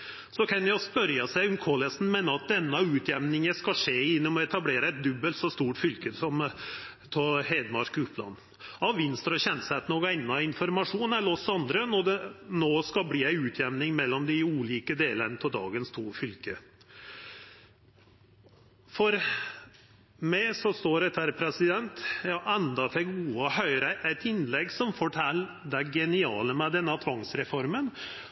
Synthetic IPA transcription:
sɔkʰɑnjæspœɾjɑsæɪʊmkʰolɛsn̩mɛnɑɑt̪̚d̪ɛnːɑʉːt̪ʰjɛmnɪŋəskɑʂeːɪnːɔmɔɛt̪ɑbleːɾəɛt̪̚d̪ʉbːəlt̪sɔst̪uːʈfʏlkəsɔm | pʰɔɦeɪd̪mɑʂkʉːplɑ̰nː | ɑʋʋɪnst̪ɾɔçɛnsæt̪nɔkæɪnːɑɪnfɔɾmɑʂuːnælɔsɑnd̪ɾənɔd̪ɛnoːskɑlbliːæɪʉːt̪ʰjɛʋnɪŋmɛlːɔmd̪ɪuːliːkəd̪eːlənət̪ʰɔld̪ɑ̰ːɡənst̪ʰuːfʏlkə | fɔɾ | mæɪsɔst̪oːɾɛt̪ʰæɾpʰɾɛsɪd̪ɛnt̪jɑːʔɛnd̪ɑt̪ʰɛɡuːɑhœʏɾəʔæɪt̪ɪnlɛɡːsɔmfɔʈʰɛlː | d̪æɡɛnɪɑːləmɛd̪ɛnːɑt̪ʰʋɑŋsɾɛfɔɾmən

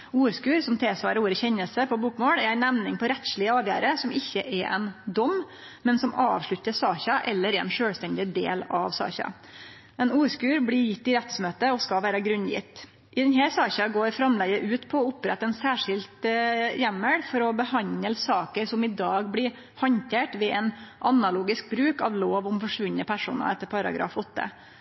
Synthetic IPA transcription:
uːɾskʉːɾsɔmt̪ʰeːsʋɑːɾəuːɾəçɛɲəlsəpʰɔbuːkmoːlɛɾæɪnæʋnɪŋpʰɔɾɛt̪ʃɭɪəɑːʋjæ̰ːɾəsɔmɪçːəʔɛɾʔɛ̰nd̪ɔm | mɛnsɔmɑ̰ːʋʂɭʉt̪ːəsɑːçɑʔɛlːəɾɛɾɛ̰nʂøːlst̪ɛnd̪ɪd̪ḛːlɑ̰ʋsɑ̰ːçɑ̰ | ɛnuːɾskʉːɾbɽɪɾjɪt̪ːɪɾɛt̪smøːt̪əɔskɑʋæːɾəɡɾʉnːjɪ̰t̪ː | ʔɪd̪ɛnɦæːɾsɑːçɑɡoːɾfɾɑmlɛɡəʔʉːt̪pʰɔɔʊpɾɛ̰t̪ːɑɛnsæːʂɪlt̪jæmːəɽfɔɾɔbəhɑɲəlsɑːkəɾsɔmɪd̪ɑːɡblɪɾ | hɑnt̪ʰeːʈʋɛʔɛnʔɑnɑluːɡɪsk̚bɾʉːkɑʋloːʋʊmfɔʂʋʉnːəpʰæʂṵːnɑ̰ɛt̪ːəɾpʰɑɾɑ̰ɡɾɑ̰ːfɔt̪ːə̰

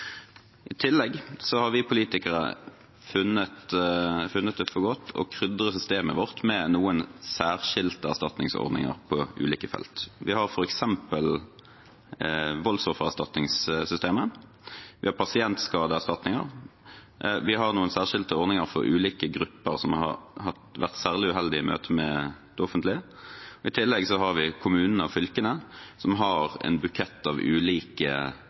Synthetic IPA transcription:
ʔɪt̪ʰɪlːɛɡsɔhɑɾʋɪpʰʊliːt̪ɪkəɾə̰ | fʉnət̪fʉnːət̪̚d̪ɛfɔɡɔt̪ʰːɔ̰kʰɾʏd̪ʁəsʏst̪eːməʋɔʁt̪mɛnuːənsæːʁʂɪlt̪əæst̪ɑt̪nɪŋsɔ̰ʁnɪ̰ŋə̰ɾpʰɔʔʉ̰ːliːkəfɛ̰lt̪ʋɪhɑʁfɔɾɛksɛmpəl | ʋɔlsɔfəʁæʁst̪ɑt̪nɪŋssʏst̪eːmə | ʋɪhɑɾpʰɑsɪɛnt̪skɑːd̪əæʁst̪ɑt̪nɪŋə̰ʁ | ʋɪɦɑʁnuːənsæːʁʂɪlt̪əɔɾnɪŋəɾfɔ̰ɾʔʉ̰ːliːkəɡɾʉpːəɾsɔmɑ̰ɾhɑt̪ʋæ̰ʁt̪sæːʁlɪʉɦɛld̪ɪɪmø̰ːt̪ʰəmɛd̪̥ɔfənt̪lɪə | ɔɪt̪ʰɪlːɛɡsɔɦɑɾʋɪkʰʊmʉːnən̩əɑʋfʏlkənəsɔmɦɑɾɛ̰nbʉkʰɛt̪ːɑʋʉːliːkə

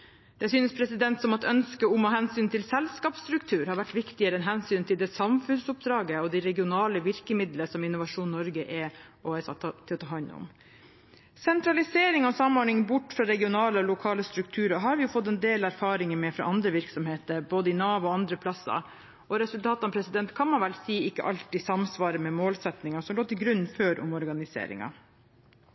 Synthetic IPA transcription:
d̪̥ɛsyːnəspʰɾɛsɪd̪ɛnt̪sɔmɑt̪œnskəʊmɑɦɛnsyːnt̪ʰɪlsɛlskɑːpst̪ɾʉkt̪ʰʉːɾhɑɾʋæʈːʋɪkt̪ɪəɾəɛnɦɛnsyːnt̪ʰɪld̪ɛsɑmfʉnsʊp̚d̪ɾɑːɡəɔd̪ɪɾɛɡɪʊnɑːləʋɪɾkəmɪd̪ləsɔmɪnʊʋɑʂuːnːɔɾɡəʔɛɔɛsɑt̪ʰɪlɔt̪ʰɑːɦɑnːʊ̰m | sɛnt̪ɾɑlɪseːɾɪŋɔsɑmɔɾɳɪŋbʊʈfɾɑɾɛɡɪʊnɑːləɔlʊkʰɑːləst̪ɾʉk̚t̪ʰʉːɾəɦɑːɾʋɪjʊfɔt̪ːɛnd̪eːlæɾfɑːɾɪŋəmɛfɾɑ̰ʔɑnd̪ɾəʋɪɾksɔmheːt̪əɾboːd̪əɪnɑːʋɔɑnd̪ɾəpʰlɑsːɑ̰ | ɔɾɛsʉlt̪ʰɑːt̪ɑmpʰɾɛsɪd̪ɛnt̪kʰɑnmɑnʋɛlsiːɪkːə̰ʔɑlt̪ɪsɑmsʋɑːɾəmɛmoːlsɛt̪nɪŋɑsɔmloːt̪ɪlɡɾʉnːføːɾʔʊ̰mɔɾɡɑnɪsḛːɾɪ̰ŋɑ̰

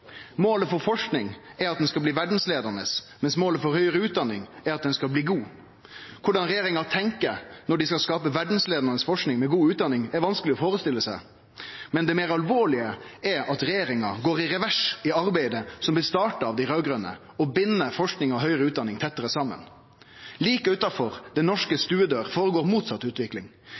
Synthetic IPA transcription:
moːləfɔɾfɔʂknɪŋɛɾɑt̪̚d̪ɛnskɑlbliːʋæɖn̩sleːd̪ənəs | mɛnsmoːləfɔɾhœʏəɾəʉːt̪̚d̪ɑnːɪ̰ŋæɾɑt̪̚d̪ɛnskɑlbliːɡuː | kʰʊɖɑnɾɛjeːɾɪŋɑt̪ʰɛŋkəɾnɔɖɪskɑlskɑːpəʋæɖn̩sleːd̪əʁnəsfɔʂknɪŋmɛɡuːʉːt̪̚d̪ɑnːɪŋɛɾʋɑnskəlɪɔfoːɾəst̪ɪlːəsæɪ | mɛnd̪ɛmeːɾɑlʋoːɭɪəɛɾɑt̪ɾɛjeːɾɪŋɑɡoːɾɪɾɛʋæʂɪɑɾbæɪd̪əsɔmbɪlst̪ɑːʈəɾɑʋd̪æɪɾøːɡɾœnə̰ | ɔbɪnːəfɔʂknɪŋɔɦœʏɾəʉːt̪d̪ɑnːɪŋt̪ʰɛt̪ːəɾəsɑmə̰n | liːkəʉt̪ːɑfɔɾd̪ɛnɔʂkəst̪ʉːəd̪øːɾfoːɾəɡoːɾmuːt̪sɑt̪ːʉːt̪ʋɪklɪŋ

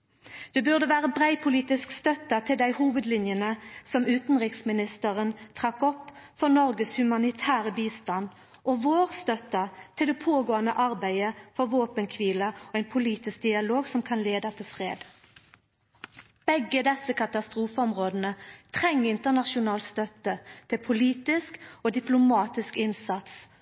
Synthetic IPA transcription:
d̪̥eːbʉʁd̪əʋæːʁəbʁæɪpʰʊliːt̪ɪskst̪œt̪ɑt̪ʰɪld̪æɪhuːʋəd̪lɪnjənəsɔmʉːt̪n̩ʁɪksmɪnɪst̪əʁənt̪ʰʁɑkɔpːfɔʁnɔʁɡəshʉmɑnɪt̪ʰæːʁəbiːst̪ɑn | ʔɔʋoːʁst̪œt̪ɑt̪ʰɪld̪ɛpʰoːɡoːɑnəʔɑʁbæɪəfɔʁʋoːpənkʰʋiːləɔæɪnpʰʊliːt̪ɪsk̚d̪ɪɑloːɡsɔmkʰɑnleːd̪ɑt̪ʰɪlfʁḛːd̪ | b̥ɛɡːəd̪ɛsəkʰɑt̪ɑst̪ʁuːfəɔmʁoːd̪ənət̪ʰʁɛŋːɪnt̪əʁnɑʃʊnɑːlt̪st̪œt̪ət̪ʰɪpʰʊliːt̪ɪskoːd̪ɪplʊmɑːt̪ɪskɪnsɑt̪s

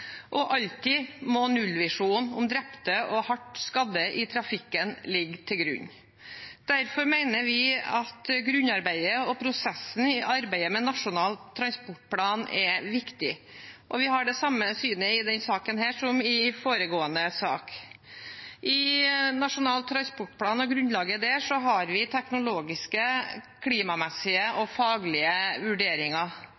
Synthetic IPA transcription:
ʔɔʔɑlt̪ɪmɔnʉlʋɪʂuːnʊmd̪ɾɛpt̪əʔɔhɑʈskɑd̪ːəʔɪt̪ʰɾɑfɪkːənlɪɡːt̪ʰɪlɡɾʉ̰ɲː | d̪̥æɾfɔɾmæɪnəɾʋɪɑt̪ɡɾʉɲːɑɾbæɪəɔpʰɾʊsɛsːn̩ɪʔɑɾbæɪəmɛnɑʂʊnɑːlt̪ʰːɾɑnspʊʈ̚pʰlɑːnɛʋɪkt̪ɪʔɔʋɪɦɑɖɛsɑmːəsyːnəɪd̪ɛnsɑːkənɦæːʂɔmɪfoːɾəɡoːənəsɑ̰ːk | ʔɪnɑʂʊnɑːlt̪ʰːɾɑnspɔʈ̚ːpʰlɑːnɔɡɾʉnlɑːɡəd̪ɛːʂɔɦɑɾʋɪt̪ʰɛknʊloːɡɪskəkʰliːmɑmɛsɪəʔɔfɑːɡlɪəʋʉɖeːɾɪŋɑ

